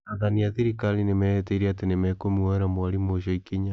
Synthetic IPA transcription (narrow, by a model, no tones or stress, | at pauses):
aðaniaðiɾikalinemɛɛteiɾiatenemɛkomiwɛɾamwaɾimoʃaikiɲa